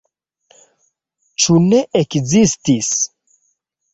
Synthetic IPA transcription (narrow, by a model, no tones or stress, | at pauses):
t͡ʃune̞ʔekzistis